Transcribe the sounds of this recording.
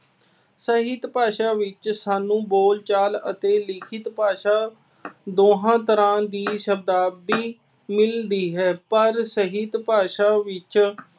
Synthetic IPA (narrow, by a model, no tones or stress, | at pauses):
səɦɪt̪paːʃaːʋɪt͡ʃsaːnũːboːlt͡ʃaːlə̰t̪eːlɪkʰɪt̪paːʃaː | d̪oːɦãːt̪əɾãːd̪iːʃəb̚d̪aːb̚d̪iː | mɪld̪iːɦɛːpəɾsəɦɪt̪paːʃaːʋɪt͡ʃ